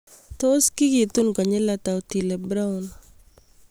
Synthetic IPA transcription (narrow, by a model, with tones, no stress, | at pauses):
t̪o˦ski˦ɡi˨t̪u˦nkɔ˨ɲɪ˦la˦t̪a˨o˨ti˨le˨bɾa˦ʊ˨n